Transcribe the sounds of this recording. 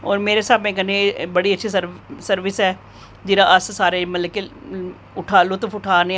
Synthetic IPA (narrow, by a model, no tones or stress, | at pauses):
ɔːɾmeːɾesaːbɛ̃kənebəɽiətːʃʰisəɾsəɾʋɪsɛː | d͡ʒɪːɾaʔəssaːɾemələke | ʊʈʰaːlʊt̪fʊʈʰaːne